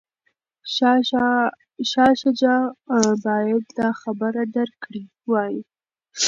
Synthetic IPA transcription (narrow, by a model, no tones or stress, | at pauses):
ʃɑʃad͡ʒɑbɑjad̪̚d̪ɑxabəɾad̪əɾkɽi | wɑji